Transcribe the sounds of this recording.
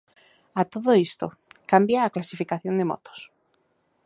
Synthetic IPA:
at̪oðoist̪o̰ | kambjaːklasifikaθjond̪emo̰t̪o̥s

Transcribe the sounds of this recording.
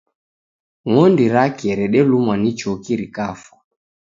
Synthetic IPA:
ŋɔndiɾakiɛɾɛɗɛlumwanit͡ʃɔkiɾikafḁ

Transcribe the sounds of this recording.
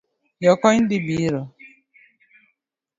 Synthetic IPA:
jɔkɔɲn̩dɪbiɾɔ

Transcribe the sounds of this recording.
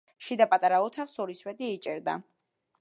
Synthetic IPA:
ʃid̪apʼat̪ʼaɾaɔt̪ʰafsɔɾiswɛd̪iːt͡ʃʼɛɾd̪a̰

